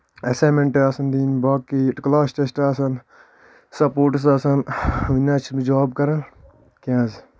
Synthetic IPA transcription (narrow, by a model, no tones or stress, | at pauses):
ɐsaːmẽɳʈaːsɐnd̪iːnbaːkːiʈklaːsʈesʈaːsɐn | sɐpoːɾʈs̬aːsɐnʋinat͡ʃʰmid͡ʒaːb̚kɐɾɐn | kãːz